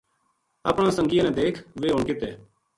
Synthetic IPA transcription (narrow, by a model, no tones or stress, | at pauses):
a̰ːpɳãːsə̃ŋɡɪjãːnɛ̃ːd̪eːkʰʋeːɦoːɳkɪt̪eː